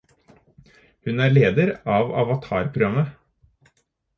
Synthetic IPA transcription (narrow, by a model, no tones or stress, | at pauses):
hʉnæːɾɭeːd̪əɾɑːʋɑ̰ʋɑt̪ʰɑ̰ːɾpʰɾʊɡɾɑmə